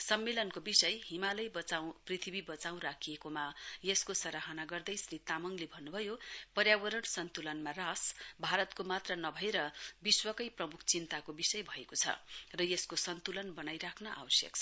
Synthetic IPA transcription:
sʌmːelʌnkobisʌjɦimalʌjbʌt͡saw̃prit̪ʰibibʌt͡saw̃rakʰijekomajeskosʌɾaɦʌnaɡʌrd̪ʌjsrit̪amʌŋlebʱʌnːubʱʌjopʌrjawʌɾʌɳsʌnt̪ulʌnmarasbʱaɾʌt̪komat̪rʌnʌbʱʌeɾʌbiswʌkʌjprʌmukʰt͡sint̪akobisʌjbʱʌekot͡sʰʌ̰rʌjeskosʌnt̪ulʌnbʌnajɾakʰnʌʔa̰wʌsjʌ̰kt͡sʰʌ

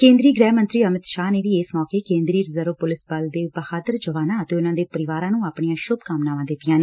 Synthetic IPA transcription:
kẽːnd̪ɾiːɡɾɛːmənt̪ɾiːəmɪt̪ʃaːneːʋiːeːsmɔːkeːkẽːnd̪ɾiːɾəzəɾəpʊlɪsbəld̪eːbəhaːd̪əɾd͡ʒəʋaːnãːət̪eːʊnãːd̪eːpəɾɪʋaːɾãːnũːaːpɳijãːʃʊbkamnaːʋãːd̪ɪt̪ːɪjãːneː

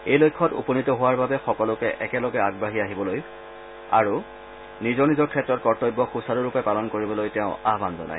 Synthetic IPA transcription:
ejlojkʰːɔtṵpɔnitɔɦʊwaɹbabɛxɔkɔlʊkɛʔɛkɛlɔɡɛaɡbaɦiaɦibɔloj | a̰ɹu | nizɔɹnizɔɹkʰɛtːɹɔt̚kɔɹtɔjbːɔxusaɾʊɹʊpɛpalɔnkoɹibɔlojtɛʊ̃aɦbanzɔ̰na̰j

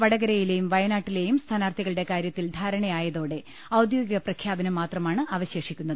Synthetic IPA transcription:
ʋɐɽɐɣɐɾɐjile̞jumʋɐjɐnaːʈːile̞jumst̪ʰaːnaːrt̪ʰiɣɐɭɨɽe̞kaːɾjɐt̪ːild̪ʱaːɾɐɳɐjaːjɐðo̞ːɽe̞ | ɐwd̪joːɡiɣɐprɐkʰjaːbɐnɐmːaːt̪rɐmaːɳɨaʋɐɕe̞ːʂikʲːun̪ːɐðɨ

